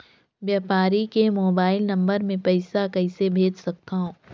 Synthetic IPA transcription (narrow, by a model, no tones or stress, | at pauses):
ʋjaːpaːɾikemoːbaːɪlnɐ̃mbəɾmẽpɛɪsakɐɪsebʱeːd͡ʒsɐk̚t̪aɦõː